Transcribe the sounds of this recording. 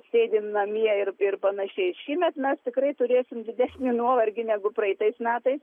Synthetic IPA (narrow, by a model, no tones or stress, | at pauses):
sʲeːd̪ʲɪmnɐmʲiɛɪrɪrpɐnɐʃʲɛɪʃʲiːmʲɛt̪mʲɛst̪ʲɪkrɐɪt̪ʊɾʲeːsʲɪmdʲɪd̪ʲæsʲnʲɪnuɔʋɐɾʲɡʲɪnʲæːɡʊprɐɪt̪ɐɪsmʲæːt̪ɐɪs